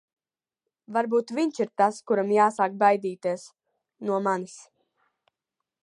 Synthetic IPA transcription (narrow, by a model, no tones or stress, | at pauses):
vaɾbuːt̪viɲt͡ʃiɾt̪askuɾamjaːsaːk̚bajd̪iːt̪iɛs | nuɔmanis